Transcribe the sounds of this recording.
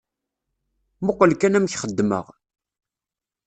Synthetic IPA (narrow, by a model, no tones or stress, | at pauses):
moqːəlkænæmçχəd̪ːmə̰ʁ